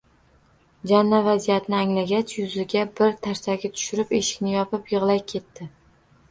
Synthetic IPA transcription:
d͡ʒanːavazijat̪nɪaŋlaɡʲat͡ʃjʊzɪɡʲabɪɾt̪ʰaɾsaɡʲat̪ʰʊ̥ʃʊɾɪpeʃɪ̥kʲnɪjɒpɪpjɨʁlˠajkʲʰe̞t̪ʰːɪ

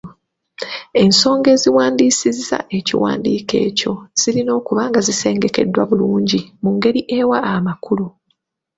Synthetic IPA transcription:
e̞nso̞ːŋɡe̞ːziwaːndiːsizːa̰ʔe̞cḭwa̰ːndiːke̞̰ːco̞z̥ilino̞ːkuβaːŋɡazise̞ːŋɡe̞ke̞̰dːwaβuluːɲɟimuŋɡe̞ɾiʔe̞waːmakulu

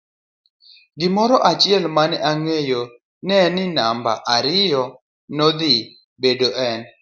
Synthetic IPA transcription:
ɡɪmɔɾɔʔat͡ʃɪɛlmanɛʔaŋejo | nɛnɪnamba̰ʔaɾɪjɔ | nɔd̪ɪ | bedoʔɛn

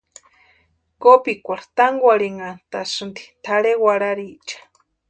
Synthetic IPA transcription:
kopikʷaɾt̪aŋɡʷaɾiŋant̪asɨnd̪i̥t̪ʰaɺewaɽaɾit͡ʃḁ

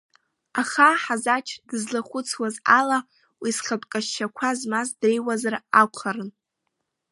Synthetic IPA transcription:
aχaħazat͡ʃʰdɨzlaχʷʊt͡sʰwazala | wisχʲapʼkʼaʃːakʷʰazmazdrejwazarakʷʰχaɾɨn

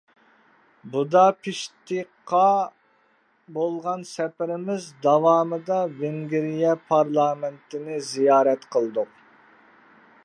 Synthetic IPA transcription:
bud̪ɑpʰɪʃt̪ʰiqʰːɑ | bolˠʁɑnsɛpɪɾɪmɪzd̪ɑwɑːmɨd̪ɑveŋɡʲɪɾijɛpʰɑɾlˠɑːmɪnt̪ʰɪnɪzijɑːɾɛt̪qʰəlˠd̪uq

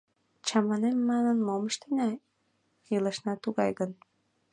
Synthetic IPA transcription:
t͡ɕɑmɑnemːɑnənmoməʃt̪enʲɑ | jeləʃnɑt̪uɣɑjɣən

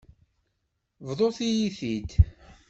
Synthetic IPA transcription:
vðˤoθijiθid̪

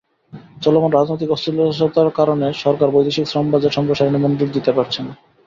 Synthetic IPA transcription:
t͡ɕɔlomonɾad͡ʑnojt̪ikɔst̪iloʃot̪aɾkaɾoneʃɔɾkaɾbojd̪iʃiksɾɔmbad͡ʑeɾʃɔmboʃaɾinimond̪ɾiɡd̪it̪epaɾt͡ɕʰen

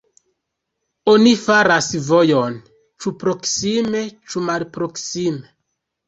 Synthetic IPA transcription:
onifaɾasvo̞jo̞n | t͡ʃupɾo̞ksime̞t͡ʃumalpɾo̞ksime

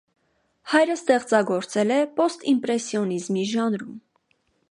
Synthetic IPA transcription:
hɑjɾəst̪ɛχt͡sɑɡɔɾt͡sɛlɛpɔst̪impɾɛsjɔnizmiʒɑnɾum

